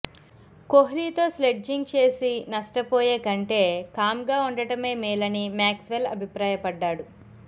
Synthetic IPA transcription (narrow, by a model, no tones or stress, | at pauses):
koɦliːt̪o̞ːsleɖd͡ʒiŋɡ̚t͡ʃe̞ːsinɐʂʈɐpoːjeːkɐɳʈe̞ːkaːmɡaːuɳɖɐʈɐme̞ːmiːlɐnimjaːksʋelɐ̰bʱipɾaːjɐpɐɖːaːɽu